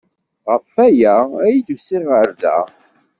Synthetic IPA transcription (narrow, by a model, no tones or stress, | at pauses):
ʁəfæjææjid̪usiʁəɾðæ̰